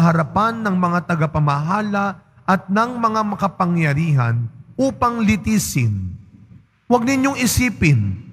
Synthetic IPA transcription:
ɦɐɾɐpanːɐŋmɐŋat̪ɐɡapɐmɐɦaːlɐ | ʔɐt̪̚nɐŋmɐŋamɐkɐpɐŋjɐɾiːɦɐ̰nʔuːpɐŋlɪt̪iːsɪn | wɐɡ̚nɪɲjoŋɪsiːpɪn

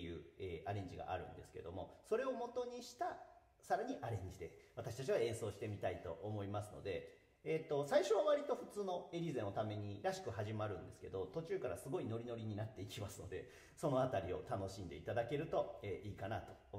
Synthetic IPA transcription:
jɯ̟ːeːʔaɾẽ̞ɲ̟d͡ʑiɡa̰ʔa̰ɾɯ̟̰̃nd̪e̞sɨ̥ke̞d̪o̞̰mo̞̰so̞ɾe̞o̞mo̞t̪o̞ɲ̟iɕi̥t̪a | saɾaɲ̟iʔaɾẽ̞ɲ̟d͡ʑid̪e̞βat̪aɕi̥t̪at͡ɕiβaẽ̞ɰ̃so̞ːɕi̥t̪e̞mʲit̪ait̪o̞̰ʔːmo̞imasɨno̞̰d̪e̞ː | t̪ːo̞saiɕo̞βaβaɾʲit̪o̞ɸɯ̟t͡sɨːno̞eɾʲizẽot̪ame̞ɲ̟iɾaɕi̥kɯ̟haʑimaɾɯ̟̃nd̪e̞sɨ̥ke̞̰d̪o̞t̪o̞t͡ɕɨːkaɾa̰sɨɡo̞ino̞ɾʲino̞ɾʲiɲ̟inat̪ːe̞ikʲimasɨno̞̰d̪e̞̰ | so̞no̞at̪aɾʲio̞̰t̪ano̞ɕĩnd̪e̞it̪ad̪ake̞ɾɯ̟t̪o̞eːʔiːkanat̪o̞̥om

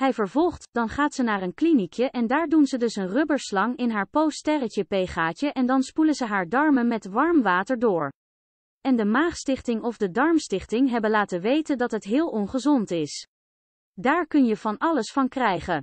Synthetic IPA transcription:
ɦɛjvəɹvɔlˠχtd̥ɑnχaːtsənaːɹənklinikjəʔɛndaːɹdunzədɵsənrɵbəɹslɑŋɪnɦaːɹpowstɛrəcəpejχaːcəʔɛndɑnspuləzəɦaːɹdɑɹmənmɛtʋɑɹmʋaːtəɹdʊːɹ | ɛndəmaːχstɪχtɪŋɔvdədɑɹmstɪχtɪŋɦɛbənlaːtəʋejtəndɑtɦətɦɪːlˠɔnχəzɔntɪs | daːɹkɵnjəv̥ɑnɑləsfɑnkrɛjχən

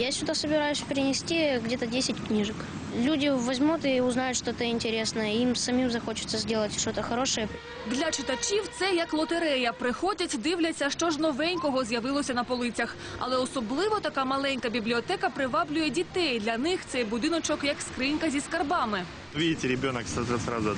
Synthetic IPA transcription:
jasʲʊd̪asəbʲɪɾajʊsʲpʲɪɾʲɪnʲɪsʲtʲiɡdʲet̪ədʲesʲɪtʲknʲiʐɨk | lʲudʲɪʋɐzʲmut̪ɪʊznajʊt̪ʂt̪oɛt̪əɪnʲtʲɪɾʲesnəjəimsɐmʲimzɐxo̞t͡ɕɪ̥t̪səzʲdʲelˠətʲʂt̪ot̪əxɐɾoʂɨjə | d̪lʲɐt͡ʃɪt̪ɐt͡ʃʲiwt̪sɛjɐklˠɔt̪eɾɛjɐpɾɪxɔdʲɐtʲd̪ɪwlʲɐt͡sʲːɐʃt͡ʃɔʒnɔʋɛnʲkɔɦɔzʲjɐʋɪlˠɔsʲɐnɐpɔlˠɪt͡sʲɐx | ɐ̰lˠɛɔsɔblˠɪʋɔt̪ɐkɑmɐlˠɛnʲkɐbʲiblʲiɔt̪ɛkɐpɾɪʋɑblʲʊjɛdʲit̪ɛjd̪lʲɐnɪxt̪sɛjbʊd̪ɪnɔt͡ʃɔkjɐkskɾɪnʲkɐzʲiskɐrbɑmɪ | ʋʲidʲɪtʲɪɾʲɪbʲonəksat̪ɐsɾa̰zʊ

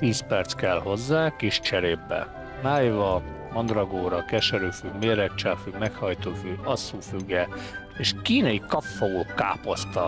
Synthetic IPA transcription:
t̪iːspɛrt̪skɛlho̞zːaːkiʃt͡ʃɛɾeːbːɛ̰ | maːjvɒ | mɒnd̪rɒɡoːɾɒkɛʃɛɾyːfyɡmeːɾɛk̚t͡ʃaːfyɡmɛkhɒjt̪oːfyɒsːuːfyɡɛ | eʃkiːnɒjikɒfːooːka̰ːpost̪ɒ

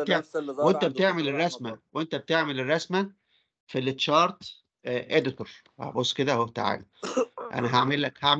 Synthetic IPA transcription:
t̪eʕwʔent̪æbet̪eʕmelerˤːɑsmæwʔent̪æbet̪eʕmelerˤːɑsmæ | filːet̪ʃɑːɾˤt̪ | ʔed̪ɪt̪oɾˤ | hæ̰bosːked̪æhoht̪aʕa̰ːliʔæ̰næɦaʕmelːækhaʕm

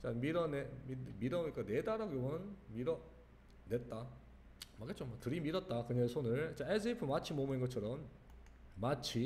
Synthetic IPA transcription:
t͡ɕamiɾʌnemimiɾʌik͈ane̞daɾaɡobʌnmiɾʌ | net̚t͈a | mak͈ett͡ɕomatɯɾimiɾʌt̚t͈akɯɲʌsʰonɯɭt͡ɕ͈aes̬ʰɯipʰɯmat͡ɕʰimomɯinɡʌt͡ɕʰʌɾʌmː | at͡ɕʰi

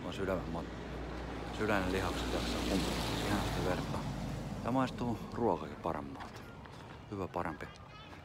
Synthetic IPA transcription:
ɑsylæmæmmɑt̪ | sylænelihɑksɑt̪ɑksseŋkumpisihenɑst̪iʋert̪ːɑjɑmɑˑist̪uːruokɑkipɑrḛmːɑːlt̪ | hyʋæpɑrempi

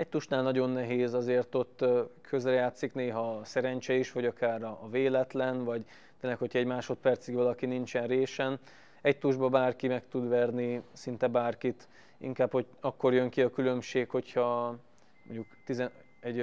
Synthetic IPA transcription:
ɛc̚t̪uʃnaːlnɒɟo̞nːɛɦeːzɒzeːrt̪o̞t̪ːkʰøzrɛjaːt̪sikneːɦɒsɛɾɛɲt͡ʃɛiʃʋɒɟɒkaːɾɒːveːlɛt̪lɛnvɒɟ | t̪eːlːɛkho̞chɒɛɟmaːʃo̞t̪̚pɛrt̪siɡʋɒlɒkinint͡ʃɛnreːʃɛn | ɛc̚t̪uʒbɒbaːrkimɛkt̪ud̪ʋɛrnisint̪ɛbaːrkit̪ | ḭŋkaːbho̞ | ɒkːo̞rjøŋkiɒkylø̞mʃeːkho̞chɒ | moɲɟukt̪izɛ | ɛɟ

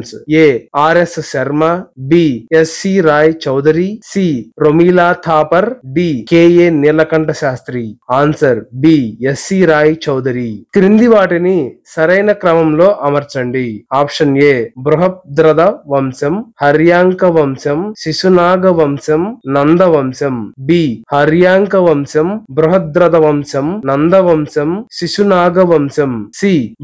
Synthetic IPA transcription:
nseːaːɾesʃɐɾmabiːesːiːɾaːjt͡ʃɐwd̪ɐɾisiːɾomiːlaːt̪ʰaːpɐɾbiːkeːjeːnilɐkɐɳʈɐʃaːst̪ɾiːaːnsɐɾbiːesiɾaːjt͡ʃɐwd̪ɐɾikɾind̪iʋaːʈinisɐɾɐjnɐkɾɐmɐmloːʔɐmɐɾt͡ʃɐɳɖiaːpʂɐnjeːbɾuɦɐp̚d̪ɾɐd̪ɐʋɐmsɐmhɐɾjaːŋkɐʋɐmsɐmʃiʃunaːɡɐʋɐmsɐmnɐnd̪ɐʋɐmsɐmbiːhɐɾjaːŋkɐʋɐmsɐmbɾuɦɐd̪ɾɐd̪ɐʋɐmsɐmnɐnd̪ɐʋɐmsɐmʃiʃunaːɡɐʋɐmsɐmsiː

